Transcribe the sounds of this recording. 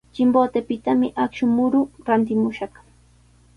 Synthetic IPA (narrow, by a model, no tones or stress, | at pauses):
t͡ʃɪmboːt̪epɪt̪amɪʔakʃʊmʊɾʊɾant̪ɪmʊʃɑχ